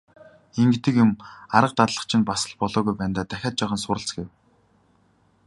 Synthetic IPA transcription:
eŋɡĕt̪ɘ̆kjʊmaɾə̆q̚t̪at̪ɮə̆χt͡ɕʰɪ̆npasə̆ɮpɔɮɔːɣujpæːnt̪aːt̪æxʲaːt̪̚t͡ɕaːʁaːnsʊɾə̆ɬt͡sɡew

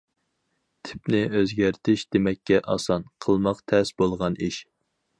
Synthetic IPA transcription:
t̪ʰɪ̥pnɪøzɡʲæɾt̪ʰɪʃd̪emɛkʲːɛʔɑsɑnqʰəlˠmɑqt̪ʰɛsbolˠʁɑniʃ

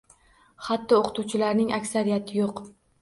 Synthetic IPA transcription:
χat̪ːɪoqʰɨ̥t̪ʰuwt͡ʃʰɪlaɾnɪŋʔakʲsaɾijat̪ʰɪjoq

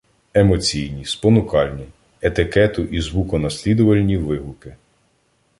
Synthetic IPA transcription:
emɔt͡sʲijnʲispɔnʊkɑlʲnʲi | et̪ɪkɛt̪ʊʔizʋukɔnɐsʲlʲid̪ɔʋɐlʲnʲiʋɪɦʊkɪ

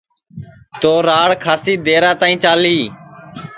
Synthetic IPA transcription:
t̪oːɾaːɽkʰaːsiːd̪eːɾãːt̪aːĩːt͡ʃaːliː

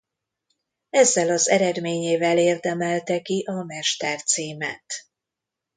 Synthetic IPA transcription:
ɛzːɛlɒzɛɾɛd̪meːɲeːvɛleːrd̪ɛmɛlt̪ɛkiʔɒmɛʃt̪ɛrt̪siːmæ̰ːt̪

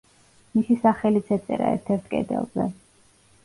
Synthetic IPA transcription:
misisaχɛlit̪sʰɛt̪sʼɛɾaɛɾt̪ʰɛɾt̪ʰkʼɛ̰d̪ɛ̰lˠzɛ̰

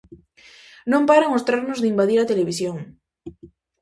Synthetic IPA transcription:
nõmpaɾaŋost̪ɾaɾnʊzðimbaðiɾat̪eleβ̞isjoŋ

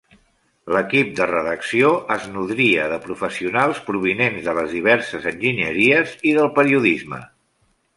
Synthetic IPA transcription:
ləkip̚d̪ərəðəksioʔəznuðɾiəðəpɾufəsiunalˠspɾuβ̞inenzðələzðiβ̞ɛɾsəzənʲʒinəɾiəziðəlˠpəɾiuðizmə̰

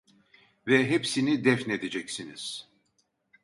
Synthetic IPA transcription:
vɛɦepsinid̪ɛfne̞d̪ed͡ʒɛcsiniz̥

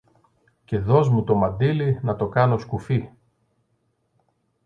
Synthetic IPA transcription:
ce̞ðo̞zmut̪o̞mɐnd̪ilinɐt̪o̞kɐno̞skufi

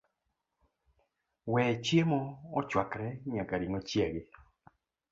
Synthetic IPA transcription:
wɛt͡ʃjemɔɔt͡ʃwakɾɛɲakaɾiŋɔt͡ʃjeɡɪ

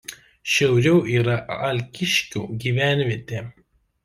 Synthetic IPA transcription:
ʃʲɛʊɾʲɛʊʔiːɾɐɐlʲkʲɪʃʲkʲṵːɡʲiːʋʲæˑnʲʋʲiːt̪ʲeː

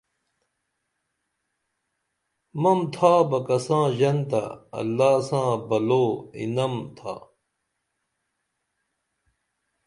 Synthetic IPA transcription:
mɐmt̪ʰaːbɐkɐsãːʑɐnt̪ɐ̰ɐ̰lːaːsãːbɐloːḭnɐmt̪ʰa̰ː

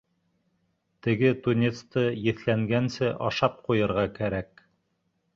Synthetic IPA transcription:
t̪ɘ̆ɡɘt̪unʲet̪st̪ɤjɘ̆θlæŋɡænsɘʔɑʃɑp̚qujɤ̆ɾʁɑkæɾæk

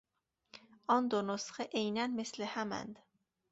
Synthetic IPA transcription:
ʔɒnd̪onosxeʔejnænmeslehæmæ̰nd̪̥

